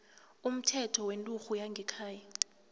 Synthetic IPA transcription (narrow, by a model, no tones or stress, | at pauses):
um̩tʰɛtʰɔwentʼuxujaŋɡʱɛkʰaːja